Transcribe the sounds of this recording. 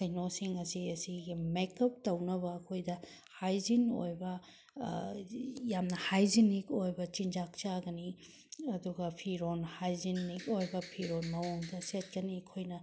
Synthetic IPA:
kɐjnosiŋɐsiɐsiɡimekɐp̚tɐwnɐbɐːkʰojdɐ | hajzino̰jbɐ | jamnɐhajzinikojbɐt͡ʃind͡ʒak̚t͡ʃaɡɐni | ɐduɡɐpʰiɾonhajzinːikojbɐpʰiɾonmɐwuŋdɐset̚kɐniɐkʰojnɐ

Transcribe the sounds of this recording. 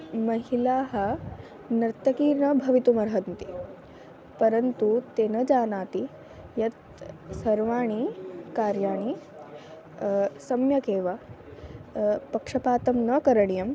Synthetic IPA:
mɐɦilaːɦɐ̆ | nɐɾt̪ɐkiːɾnɐbʱɐʋit̪umɐɾɦɐnt̪i | pɐɾɐnt̪ut̪eːnɐd͡ʒaːnaːt̪i | jɐt̪ | sɐɾʋaːɳ̃ikaːɾjaːɳ̃i | sɐmjɐkeːʋɐ | pɐkʂɐpaːt̪ɐmnɐkɐɾɐɳijɐm

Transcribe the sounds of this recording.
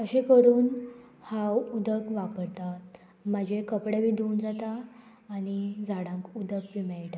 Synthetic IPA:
əɕekəɾuːn | hawud̪ʱəkʋapəɾt̪a | mad͡ʑʱekəpɽaʋid̪ʱund͡zat̪aː | ñid͡zaɽãŋkud̪ʱəkʋimaɭʈa

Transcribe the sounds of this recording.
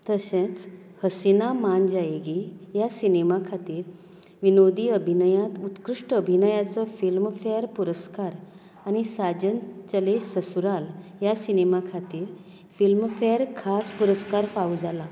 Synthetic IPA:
t̪əsẽt͡s | həsinamand͡ʑajeɡijasinemakʰat̪iːɾ | ʋinod̪iəbʱinəjãt̪ut̪kɾuʂʈəəbʱinəjat͡sɔfilmfeəɾpuɾəskaɾ | añisad͡ʑənt͡ɕəlesəsuɾaljasinemakʰat̪iːɾ | filmfeəɾkʰaspuɾəskaɾfaud͡zala

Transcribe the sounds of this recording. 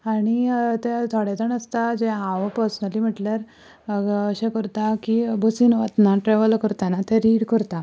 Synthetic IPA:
aɽ̃it̪et̪ʰoɽet̪əɳəst̪ad͡ʑeãʋəpəɾsənəliːm̤əʈljaɾ | əɕẽkəɾt̪akibʱəsinʋat̪naʈɾeʋəlkəɾt̪anat̪eɾiːɽkəɾt̪a

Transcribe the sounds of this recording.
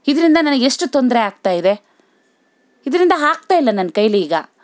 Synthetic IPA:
id̪ɐɾind̪ɐnɐnɐɡe̞ʂʈut̪ond̪ɐɾeaːɡ̚t̪aːjid̪e̞ | id̪ɐɾind̪ɐɦaːɡ̚t̪aːjilːɐnɐnkɐjliːɡɐ

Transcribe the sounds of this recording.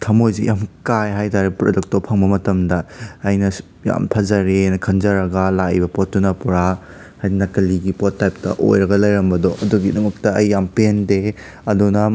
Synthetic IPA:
tʰɐmojzejamkajɦajtaɾebpɾodɐk̚topʰɐŋbɐmɐtɐmdɐːjnɐ | ja̰mtʰɐzɐɾenɐkʰɐnzɐɾɐɡɐlaibɐpɔt̚ːunɐpuɾa | hajdinɐkɐliɡipɔtːajp̚tɐ̰ʔo̰jɾɐɡɐlɐjɾɐmbɐdɔɐduɡidɐmɐk̚tɐɐjːampende | ɐdunɐ

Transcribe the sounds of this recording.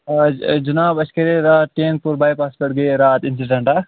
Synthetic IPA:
d͡ʒunaːbɐskɐɾeɾaːt̪̚ʈeːŋk̚puɾbaːjpaːspɐʈɡɐɾaːt̪ɪnsiɖeɳʈa

